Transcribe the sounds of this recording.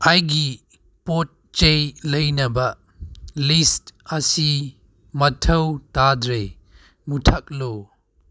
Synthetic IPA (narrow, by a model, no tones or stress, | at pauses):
ajɡi | pot̚t͡ʃejlɐjnɐbɐ | listɐsi | mɐtʰɐwtadɾe | mutʰɐk̚lo